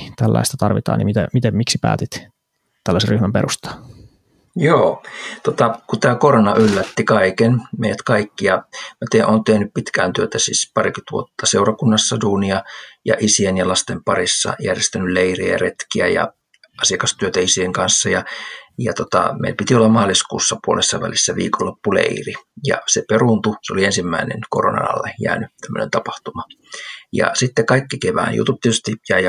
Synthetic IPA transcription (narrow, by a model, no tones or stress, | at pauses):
t̪ælːæ̰ist̪ɑt̪ɑrʋit̪ɑ̰ːnḭmit̪ḛmit̪emmiksipæ̰ːt̪it̪ | t̪ælːæserryhmæmpḛrust̪ɑ̥ː | joːt̪ot̪ɑkut̪æːkoronɑʔylːæt̪ːikɑikenmeijæt̪kɑikːijɑmæt̪eʔoːnt̪ehnyppit̪kæːnt̪yøt̪æsḭːspɑrikyt̪ʋṵot̪ːɑseurɑkunːɑsːɑduːniɑjɑ̰ʔisienjɑlɑst̪empɑrisːɑ̰jærjest̪ænylleiriæjɑret̪kiæjɑ̰ | ɑsiɑkɑst̪yøt̪æisieŋkɑnsːɑjɑjɑt̪ot̪ɑ̰mḛilpit̪iolːɑmɑːliskuːsːɑpuolesːɑʋælisːæʋḭːkolːopːulḛirijɑ̰seperunt̪useoliensimːæinḛnkoronɑ̰nɑ̰lːejæ̰ːnyt̪æmːø̰nḛnt̪ɑpɑht̪umɑ | jɑ̰sit̪ːekɑikːikeʋæ̰ːnjṵt̪upt̪iet̪yst̪ijæi